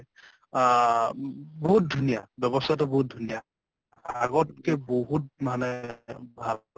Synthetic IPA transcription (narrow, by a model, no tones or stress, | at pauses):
boɦut̚dʱunijabjɔbɔstʰatɔboɦut̚dʱunija | aɡɔt̚kɛboɦut̚manɛbʱal